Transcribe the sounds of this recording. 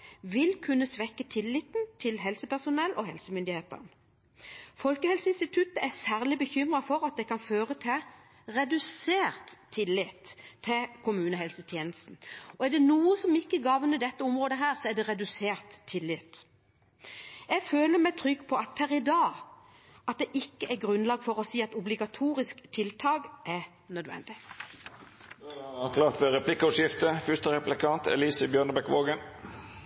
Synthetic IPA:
ʋɪlkʰʉnːəsʋɛkːət̪ʰɪlːɪt̪nt̪ʰɪlɦɛlsəpæʁsʊnɛlːʔɔɦɛlsəmʏnd̪ɪheːt̪ə̰ʁn | fɔlkəhɛlsəɪnst̪ɪt̪ʰʉt̪əæʁsæːʁlɪbəçʏmʁɑfɔɾɑt̪̚d̪ɛkʰɑnføːʁət̪ʰɪ | ʁɛd̪ʉseːʁt̪ʰːɪlːɪt̪ʰːɪkʰʊmʉːnəɦɛlsət̪ʰjeːnəst̪n̩ɔæʁɖ̪ɛnuːəsɔmɪkːəɡɑʋnəd̪ɛt̪ːəʊmʁoːd̪əɦæːʁsɔɛd̪ɛʁɛd̪ʉseːʁt̪ʰːɪlːɪt̪ | jɛɡføːləmæɪt̪ʰʁʏɡːpʰɔɑt̪̚pʰæʁɪd̪ɑː | ʔɑt̪̚d̪ɛʔɪkːəʔæɡʁʉnlɑːɡfɔʁɔsiːɑt̪ʊblɪɡɑt̪ʰuːɾɪskt̪ʰɪlt̪ʰɑːɡʔæ | nœd̪ʋɛ̰nd̪ɪ | d̪ɑkʰlɑːt̪ʋɛɾɛpʰlɪkːəɔʂjɪft̪əfʏʂt̪əɾɛplɪkɑnt̪ɛ̰liːsəbjøːɳəbɛkʋoːɡən

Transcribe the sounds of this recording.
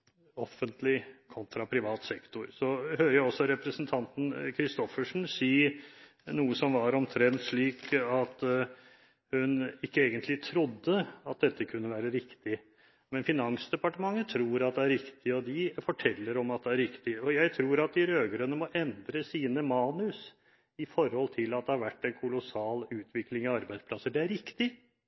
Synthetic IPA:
ɔfːənt̪lɪkʰɔnt̪ʰɾɑpʰɾɪʋɑːt̪sɛkt̪ʊɾsɔhøːɾəjæɪɔsːɔɾɛpɾəsnt̪ʰɑnt̪n̩kʰɾɪst̪ɔfəʂɳ̩siː | nuːəsɔmʋɑɾɔmt̪ʰɾɛnt̪ʂɭiːkɑt̪ | hʉnɪkːəeːɡənt̪ʰlɪt̪ʰɾʊd̪ːəɑt̪̚d̪ɛt̪ːəkʰʉnːəʋæːɾəɾɪkt̪ɪ | mɛnfɪnɑŋsd̪ɛpɑʈəmɑŋːət̪ʰɾuːɾɑt̪̚d̪ɛæɾɾɪkt̪ɪɔd̪ɪfɔʈʰɛlːəɾɔmɑt̪̚d̪ɛæɾɾɪkt̪ɪɔjæɪt̪ʰɾuːɾɑt̪̚d̪ɪɾøːɡɾənːəmɔʔɛnd̪ɾəsiːnəmɑːnʉs | ɪfɔɾhɔlt̪ʰɪlːɑt̪̚d̪ɛhɑɾʋæʈːɛnkʰʊlʊsɑːlʉːt̪ʰʋɪklɪŋɑɑɾbæɪspʰlɑsːəɖɛæɾɾɪkt̪ɪ

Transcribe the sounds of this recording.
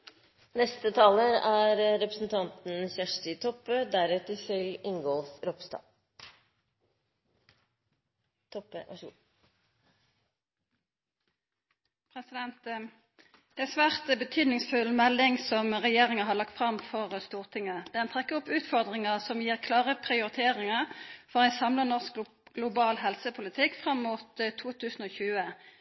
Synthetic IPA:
nɛst̪ət̪ʰɑːləɾæɾɾɛpɾəsn̩t̪ʰɑnt̪n̩çæʂʈɪt̪ʰɔpøːd̪æɾɛt̪əsɪlɪŋɡɔlfɾɔpst̪ɑ̰ː | t̪ʰɔpːəʔ | pʰʁɛsɪd̪ɛnt̪ | d̪̥ɛæsʋæːʁt̪bət̪ʰyːd̪nɪŋsfʉlmɛlːɪŋsɔmʁɛjeːʁɪŋəɦɑːlɑkt̪fʁɑmfɔʁst̪uːʁt̪ʰɪŋəd̪ɛænt̪ʰʁɛkːəɔpːʉːt̪fɔʁd̪ʁɪŋəʁsɔmjiːʁkʰlɑːʁəpʰʁɪʊʁɪt̪ʰeːʁɪŋəʁfɔʁæɪnsɑmlənɔʁsk | ɡ̥lʊbɑːlɦɛlsəpʰʊlɪt̪ʰɪkfʁɑmːuːt̪t̪ʰːuːt̪ʰʉːsn̩oːçʉːə

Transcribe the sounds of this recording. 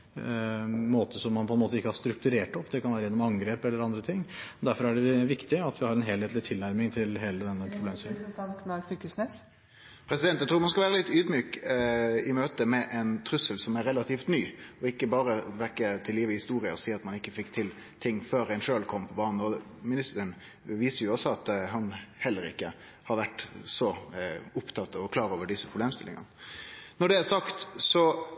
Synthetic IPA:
moːt̪əsɔmːɑnpʰɔɛnmoːt̪əɪkːəhɑɾʂt̪ɾʉk̚t̪ʉɾeːʈɔpːd̪ɛkʰɑnʋæːɾəjɛnːɔmɑŋɡɾeːpɛlːəɾɑnd̪ɾət̪ʰɪŋːɔd̪æɾfɔɾæɖɛʋɪkt̪ɪɑt̪ʋɪhɑɾɛnɦeːleːt̪lɪt̪ʰɪlnæɾmɪŋt̪ʰɪlɦeːləd̪ɛnːəpʰɾʊbleːmsɪːknɑfʉːkʉsnɛs | pʰɾɛsɪd̪ɛnt̪ːɛæt̪ʰɾuːmɑnskɑlʋæːɾəlɪt̪ːyːd̪myːk | ɪmøːt̪əmɛʔɛnt̪ʰɾʉsəlsɔmæɾɛlɑt̪ʰiːft̪nyːɔɪkːəbɑːɾəʋɛkːət̪ʰɪljiːʋəhɪst̪uːɾɪəɔsiːɑt̪mɑnɪkːəfɪkːt̪ʰɪl | t̪ʰɪŋːføːɾæɪnʂøːlkʰɔmpʰɔbɑːnn̩ɔmɪnɪst̪əɾən | ʋiːsəɾjʊɔsɔɑt̪ɦɑnhɛlːəɾɪ̰kːə | hɑɾʋæʈːsɔʊpt̪ʰɑt̪ːɑʋɔkʰlɑːɾoːʋəɖɪsːəpʰɾʊbleːmst̪ɪlʔɪ̰ŋɑ̰nnɔɖɛæɾsɑkt̪sɔ

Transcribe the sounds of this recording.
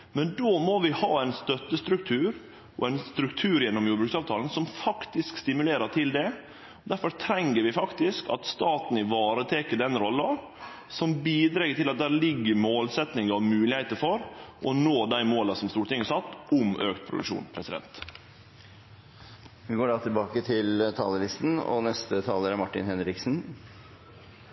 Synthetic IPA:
mɛnd̪oːmoʋɪhɑːæɪnst̪œt̪ːəst̪ɾʉk̚t̪ʰʉːɾ | ʔɔ̰ɛɪnst̪ɾʉkt̪ʰʉːɾjɛnːɔmjuːɖbɾʉːksɑːʋt̪ʰɑːlənsɔmfɑkt̪ɪskst̪ɪmʉleːɾəʈ̪ʰɪld̪ɛ | ɔd̪æɾfɔɾt̪ʰɾɛŋːəɾʋɪfɑkt̪ɪskɑ̰t̪st̪ɑːt̪n̩ɪʋɑːɾət̪ʰeːkəɖɛnɾɔlːɑ | sɔmbiːd̪ɾeɡət̪ɪlɑt̪̚d̪æːɾlɪɡːəmoːlsɛt̪nɪŋəɔmʉːlɪheɪt̪əɾfɔɾʔɔnoːd̪æɪmoːlɑsɔmst̪uːɾəʈ̪ɪŋːəsɑt̪ːʊmø̰ːkt̪̚pʰɾʊd̪ʉ̰kʂṵːnpʰɾɛsɪd̪ɛ̰nt̪ | ʋɪɡoːɖɑːt̪ʰɪlbɑːkət̪ʰɪlt̪ʰɑ̰ːləlɪst̪n̩ɔ̰nɛst̪ət̪ʰɑːləɾæɾmɑʈːɪ̰nhɛnɾɪksn

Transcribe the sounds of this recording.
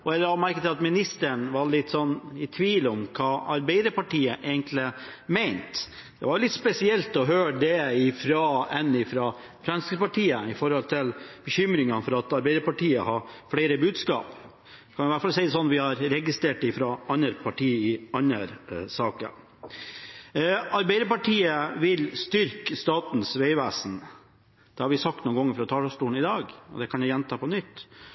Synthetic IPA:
ɔɛlːəɾɑmæɾkət̪ɪlɑt̪mɪnɪst̪əɳʋɑɭɪt̪ːsɔnːɪt̪ʰʋiːlɔmkʰɑːɑɾbæɪd̪əɾpɑʈiːəʔeɪɡənt̪ʰlɪmɛɪnt̪ | d̪̥ɛʋɑɾlɪt̪spɛsɪɛlt̪ɔɦøːɖɛɪfɾɑːɛnːɪfɾɑ | fɾɑnskəpɑʈʰiːəɪfɔɾhɔlt̪ʰɪlb̥əçʏmɾɪŋɑnfɔɾɑt̪ɑɾbæɪd̪əɾpɑʈiːəhɑɾfɽeɪɾəbʉːd̪skɑ̰ːp | kɑnʊʋæʈfɑlsɛɪd̪ɛsɔnʋɪhɑɾɾɛɡɪst̪ɾeːʈɪfɾɑɑnəɾpʰɑʈʰiːɪɑnəɾsɑːkə̰ɾ | ɑɾbæɪd̪əpɑʈʰiːəʋɪlst̪ʏɾkst̪ɑːt̪n̩sʋeɪʋæːsn | d̪̥ɛhɑɾʋɪsɑk̚t̪nuːnɡɔŋːəɾfɾɑt̪ʰɑːɖɑst̪uːɳ̩ɪd̪ɑːɡɔ̰d̪ɛkʰɑnjæjɛnt̪ʰɑːpɔnʏt̪ː

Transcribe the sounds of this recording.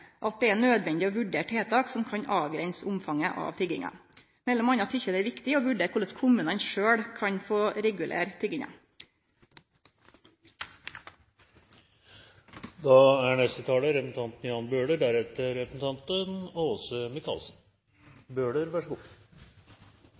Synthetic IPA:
ʔɑt̪̚d̪ɛænøːd̪ʋɛnd̪ɪoːʋʉɖeːʈheːt̪ʰɑːksɔmkʰɑɲɑːʋɡɾɛnsʊmfɑŋəʔɑ̰ːʋt̪ʰʏɡɪ̰ŋɑ̰ | mɛlːɔmɑnːɑt̪ʰʏçəd̪ɛæɾʋɪkt̪ɪoːʋʉɖeːɾkʊləskʰʊmʉːnɑnʂøːɽkʰɑɲfoːɾɛɡʉlʔḛːɾt̪ʰʏɡɪŋɑ̰ | d̪ɑæɳɛst̪ət̪ʰɑːləɾɛpsn̩t̪ʰɑnt̪njɑːnbøːɽəɖ̪æɾɛt̪əɾɾɛpɾəsn̩t̪ʰɑnt̪ənoːsəmɪkʰɑ̰lsn | bøːɖəɾʋæʂəɡṵː

